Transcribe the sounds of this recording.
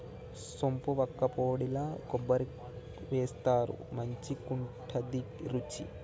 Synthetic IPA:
sompuʋɐkːɐpoːɽilɐkobːɐɾi | ʋeːst̪aːɾṵmɐɲt͡ʃikuɳʈʰɐd̪i | ɾut͡ʃḭ

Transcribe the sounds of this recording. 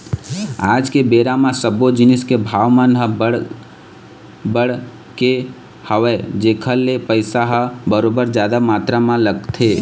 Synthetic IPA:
a̰d͡ʒkebeɾamãsəbod͡ʒiniskebʱaʋmənɦəbəɽ | bəɽ | ke | həʋɛd͡ʒekʰəlːepəɪsaɦəbəɾobəɾd͡ʒad̪amat̪ɾamãləɡt̪ʰe

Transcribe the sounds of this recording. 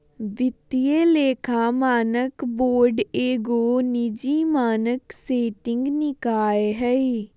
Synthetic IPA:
ʋɪt̪ɪeːleːkʰãːmaːnəkboːɾɖeːɡoːnɪd͡ʒiːmaːnəkseːʈɪŋɡnɪkaːeɦɛi

